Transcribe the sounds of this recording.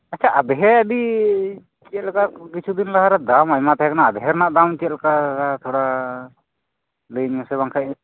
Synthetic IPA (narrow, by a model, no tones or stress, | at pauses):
at͡ʃʰaʔad̪ɛɦɛəɖi | t͡ʃiɛlɛkakit͡ʃʰud̪inlaɦaɾad̪amajmat̪aɛkanaːd̪ɛɦɛɾnaʔd̪amt͡ʃiɛt̪lɛkaɾat̪ʰɔɽa | ləjɲasɛβaŋkʰaj